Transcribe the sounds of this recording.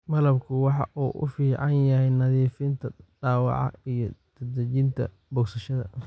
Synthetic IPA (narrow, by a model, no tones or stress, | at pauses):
mɐlɐbkʰʊwɑħɑ̰ʔuːʔʊ̰fiːʕɑnjɐhɛjnɐðiːfɪnt̪ʰɐdɑːwɑ̰ʕɑ̰ijɞd̪ʰɐd̪ɐt͡ʃɪnt̪ʰɐ̰ | bɔksɐʃɐðɐ̰